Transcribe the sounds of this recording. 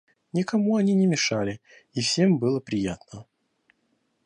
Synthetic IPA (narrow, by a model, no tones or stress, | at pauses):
nʲɪkɐmuɐnʲinʲɪmʲɪʂalʲɪ | ifsʲe̞mbɨlˠəpɾʲɪjat̪nə